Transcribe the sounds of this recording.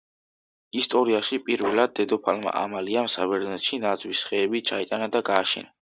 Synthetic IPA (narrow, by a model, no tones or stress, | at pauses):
ist̪ʼɔɾiaʃipʼiɾvɛlad̪̚ːɛd̪ɔpʰalma̰ʔa̰maliamsabɛɾnɛt̪ʃinad̪zwisχɛːbit͡ʃʰait̪ʼanad̪aɡaːʃɛ̰na